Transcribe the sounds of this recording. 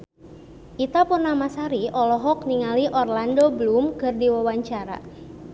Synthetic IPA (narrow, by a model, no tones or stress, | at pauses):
ʔit̪apunːamasaɾiʔɔlɔɦɔk̚niŋaliʔɔrlandoblumkɨrdiwawaɲt͡ʃaɾa̰